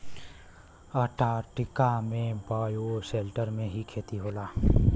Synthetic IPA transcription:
əʈaːʈɪkamẽbaːjoʃeːlʈəɾmẽɦikʰeːt̪iɦoːlaː

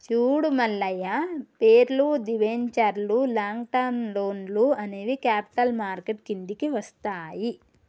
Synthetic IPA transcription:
t͡ʃuːɽumɐlːɐjɐpeːɾlud̪iʋeɲt͡ʃɐɾlulaːŋɡʈɐːnloːnluɐneːʋikaːpi̥ʈɐlmaːɾkeʈ̚kiɳɖ̪ikiʋɐst̪aːji

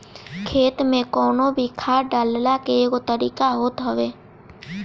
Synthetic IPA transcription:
kʰeːt̪mẽkɔːnobʱikʰaːɖaːllakeːkot̪əɾiːkaɦoːt̪ɦəʋeː

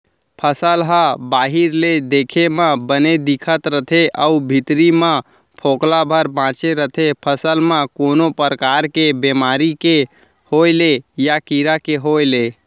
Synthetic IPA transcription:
pʰəsəlɦə̃baɦiɾled̪ekʰemə̃bəned̪ikʰət̪ɾət̪ʰeʔəubʱit̪ɾimə̃ | pʰoklabʱəɾbãt͡ʃeɾət̪ʰepʰəsəlmãkonopɾəkaɾkebemaɾike | holejakiɾakeɦojle

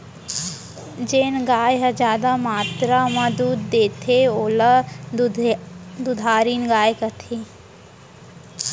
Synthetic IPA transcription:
d͡ʒeːnɡaːjɦɐd͡ʒaːd̪amaːt̪ɾamad̪uːd̪d̪eːt̪ʰeoːla | d̪ud̪ʱaːɾiːnɡaːjkɐʈ̪ʰiː

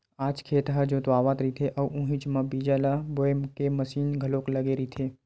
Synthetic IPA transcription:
aːd͡ʒkʰeːt̪ɦəd͡ʒõt̪waːʋaːt̪ɾit̪ʰeʔɐʋũɦĩt͡ʃmãbiːd͡ʒalaboːemkemɐsiːnɡʱɐloːklɐɡeɾit̪ʰeː

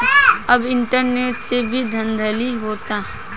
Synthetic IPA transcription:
ɐbɪ̃ɳʈəɾneːʈsebʱid̪ʱɐ̃nd̪ʱəliɦoːt̪aːɦ

